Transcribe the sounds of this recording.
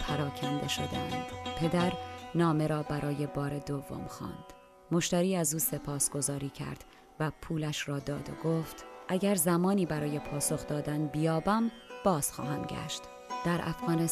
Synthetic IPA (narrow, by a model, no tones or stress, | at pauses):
pʰæɾɒːcʰænd̪e̞ʃo̞d̪eæ̰nd̪̥pʰe̞d̪æɾnɒːme̞ɾɒːbæɾʔɒːje̞bɒːɾed̪ovːo̰mxɒ̰ːnd̪̥ | mo̞ʃt̪æɾiːæzuːse̞pʰɒːsɡ̥o̞zɒːɾiːcʰæ̰ɾd̪̥ | væpʰuːlæʃɾɒːd̪ɒːd̪o̞̰ɡoft̪ʔæɟæɾzæmɒːniːbæɾɒːje̞pʰɒːso̞xd̪ɒːd̪ænbijɒːbæmb̥ɒːz̥xɒ̰ːɦæmɟæ̰ʃt̪ | d̪̥æɾʔæ̰fɣɒːne